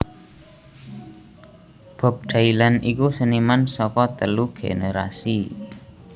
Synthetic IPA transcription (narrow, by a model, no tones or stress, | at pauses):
b̥ɔ̤p̚ɖ̥ailanʔikusənimansɔkɔt̪əluɡ̥ḛneɾa̰si